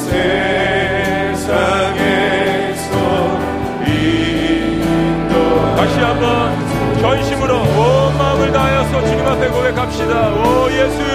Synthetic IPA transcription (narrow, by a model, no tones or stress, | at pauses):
sʰe | sʰaŋe | so | i | kaɕʰiɦambʌn | t͡ɕʌnɕʰimɯɾoʌmamɯɭtajʌsʰʌt͡ɕuɲimɡapeɡoɡekap̚ɕ͈idaʌjesʰu